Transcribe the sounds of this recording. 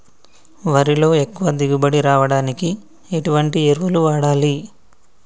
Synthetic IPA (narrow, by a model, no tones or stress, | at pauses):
ʋɐɾilo̞ːekːuʋɐd̪iɡubɐɽiɾaːʋɐɽaːniki | eʈuʋɐɳʈieɾʋuluʋaːɽaːli